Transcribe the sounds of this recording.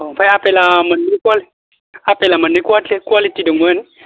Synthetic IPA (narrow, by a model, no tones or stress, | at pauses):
opajapelamənːikʷali | apelamənːikwat͡ɬekalitidəŋwəni